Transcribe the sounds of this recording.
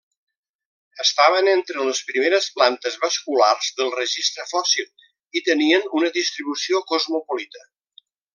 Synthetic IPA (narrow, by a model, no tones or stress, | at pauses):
əst̪aβənent̪ɾələspɾimeɾəsplant̪əzβəskularzðəlˠrəʒist̪ɾəfɔsilˠ | it̪əniənunəðist̪ɾiβusiokozmupolit̪ə